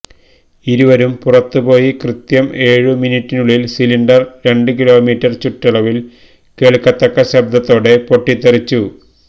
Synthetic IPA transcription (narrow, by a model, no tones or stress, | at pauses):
iɾuʋɐɾumpurɐt̪ːupo̞ːjikrɨt̪jɐme̞ːɻɨminitːinuɭːilsiliɳɖɐrɾe̞ɳɖɨkilo̞ːmiːʈːɐrt͡ɕuʈːɐɭɐʋil | keːɭkːɐt̪ːɐkːɐɕɐb̚d̪ɐt̪ːo̞ːɽe̞po̞ʈːit̪ːɐrit͡ɕːu